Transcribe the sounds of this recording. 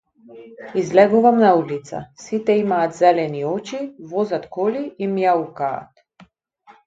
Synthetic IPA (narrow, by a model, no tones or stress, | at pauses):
izlɛɡuvamnaulit̪sa̰sit̪ɛimaːt̪zɛlɛniɔt͡ʃivɔzat̪kɔliimjauka̰ːt̪